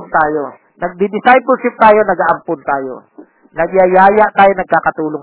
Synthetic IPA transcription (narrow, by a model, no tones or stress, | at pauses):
nt̪aːjo | nɐɡ̚d̪ɪd̪ɪsajpɛlʃɪp̚t̪aːjo̞nɐɡaʔɐmpʊnt̪aːjo̞̰ | nɐɡjɐjaːjɐʔt̪aːjonɐɡ̚kaːkɐt̪uːloŋ